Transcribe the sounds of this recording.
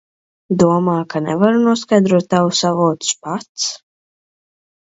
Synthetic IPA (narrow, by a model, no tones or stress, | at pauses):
d̪uɔmaːkanɛ̰vaɾunuɔskajd̪ɾuɔt̪ːawusavuɔt̪u̥spat̪s